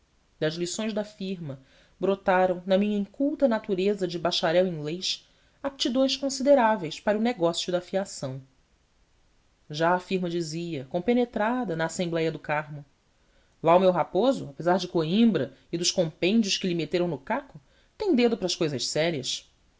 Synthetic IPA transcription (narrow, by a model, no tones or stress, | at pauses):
d̪ɐzlisõj̃zd̪ɐfiɾmɐ | bɾot̪aɾɐ̃w̃nɐmĩɲɐĩŋkuwt̪ɐnat̪uɾezɐd͡ʒɪbaʃaɾɛwĩŋɡlejʃ | ap̚t͡ʃid̪õjsʃkõsid̪eɾavejspaɾɐʊneɡɔsijʊd̪afiasɐ̃w̃ | ʒaːfiɾmɐd͡ʒiziɐkõpenet̪ɾad̪ɐnɐːsẽmblɛjɐd̪ʊkaɾmʊ | laʊmewɦapozʊ̰apezaɾd͡ʒɪkoĩmbɾɐɪd̪ʊʃkõmpẽnd͡ʒiʊʃkɪlɪmet̪eɾɐ̃w̃nʊkakʊ | t̪ẽj̃d̪ed̪ʊpɾɐʃkojzɐʃsɛɾiɐʃ